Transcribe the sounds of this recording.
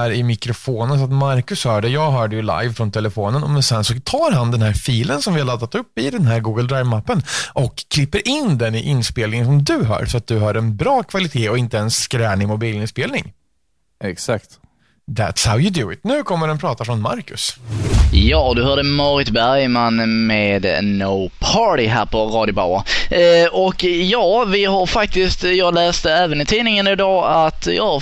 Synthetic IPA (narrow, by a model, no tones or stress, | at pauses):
æːɾɪmɪkɾʊfoːnəns̬ɔat̪maɾkɵshœːɖɛjɑːɡɦœːɖəjɵla̰jvfɾɔnt̪ʰɛləfoːnənɔmɛnsɛnsɔt̪ʰɑːɾɦand̪ɛnɦæːɾfiːlənsɔmvɪhaɭad̪ːat̪ɵpːɪd̪ɛnɦæːɾɡuːɡəld̪ɾajvmapːənʔɔkʰːlɪpːəɾʔɪnd̪ɛnɪʔɪnspeːlnɪŋəns̬ɔmd̪ɵɦœ̰ːɾsɔat̪̚d̪ɵɦɑːɾɛnbɾɑːkʰvalɪt̪ʰeːɔɪnt̪əɛnsːkɾɛːnɪmʊbiːlɪnspeːlnɪ̰ŋ | ɛksak̚t̪ | ðæ̰t̪shaʊjəd̪ʊɪ̰t̪nʉ̟ːkʰɔmːəɖɛnpʰɾɑːt̪afɾɔnma̰ɾkɵs | jɑːd̪ɵɦœːɖəmɑɾɪt̪bæɾjmanmeːd̪noʊpʰɑːʈɪɦæ̰ːɾpʰɔɾɑːd̪jʊba̰wa̰ | ɔkjɑːvɪɦaɾfak̚t̪ɪst̪jɑːɡlɛːst̪əɛːvənɪt̪ʰiːnɪŋənɪd̪ɑːat̪jɑː